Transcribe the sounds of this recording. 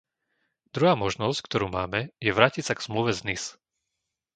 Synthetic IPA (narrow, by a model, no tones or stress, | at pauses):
d̪̥ɾuɦaːmɔʒnɔsckt̪ɔɾuːmaːmɛjɛʋɾaːcitsaɡz̥mluʋɛznis